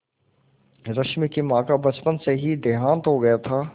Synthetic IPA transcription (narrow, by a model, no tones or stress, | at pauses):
ɾɐʃmikimãːkabɐt͡ʃpənseɦid̪eɦãːnt̪ɦoɡɐjat̪ʰaː